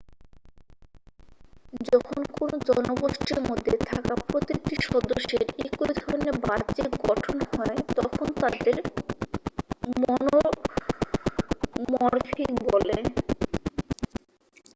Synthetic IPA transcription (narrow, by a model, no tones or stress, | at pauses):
d͡ʑɔkʰonkonod͡ʑɔnoɡoʃʈeɾmod̪ʱːet̪ʰakapɾot̪ik̚ʈiʃɔd̪oʃːeɾekujd̪ʱɔɾnebaɾt͡ɕeɾɡɔʈʰonhɔet̪ɔkʰont̪ad̪eɾ | mɔno | mɔɾfʰiŋbole